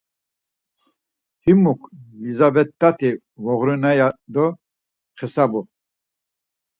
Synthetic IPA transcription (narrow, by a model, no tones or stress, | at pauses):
himukʰlizabɛt̪ːat̪ʰi | vɔʁɾunajad̪ɔ | qʰɛsabɔ